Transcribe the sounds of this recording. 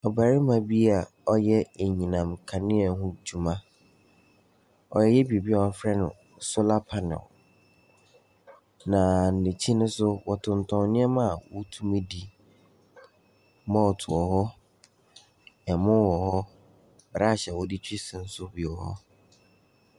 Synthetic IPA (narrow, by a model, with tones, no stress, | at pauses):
ɔ˨ba˨ɾi˦mã˨bi˦a˨ɔ˦jɛ˦e˨ɲĩ˨nã˨mkʰã˨nɪ̃˦ɛ˨hʊ̃˦d͡ʑu˨mã˦ | ɔ̰˨jɛ˦jɛ˦bi˨bi˦ɔ˨hɔ˦fɾɛ˦nʊ̰̃˨sʊ˦la˦pʰa˨nɪ̰˨l | nã˨n̩˨nɪ̃˨t͡ɕʰi˦nʊ̃˦sʊ˦wɔ˨tʰʊ̃˨ntʰɔ̃˨nnɪ̃˦ɛ˦mã˦˨wɔ˦tʰu˦mẽ˦di˦ | mã˦ɔ˨tʰʊ˨ɔ˨ɦɔ˦ | ɛ˨mʊ̃˦wɔ˨hɔ˦ | ba˨a˦˨ɕɛ˨wɔ˦di˦t͡ɕʰᶣi˦sɪ̃˨n̩˦sʊ˦bi˨ɔ˨hɔ̰˦